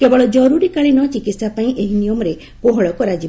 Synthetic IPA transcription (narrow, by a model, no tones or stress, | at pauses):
kebɔɭɔd͡ʒɔɾuɾikaɭinɔt͡ʃikit̪sapaĩʔeɦinijɔmɔɾe | koɦɔɭɔkɔɾad͡ʒi